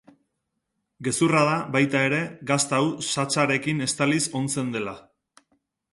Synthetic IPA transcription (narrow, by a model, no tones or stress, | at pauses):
ɡe̞surað̞aβajt̪ae̞ɾe̞ɡast̪awsat͡saɾe̞kine̞st̪aliso̞nt͡se̞nd̪e̞la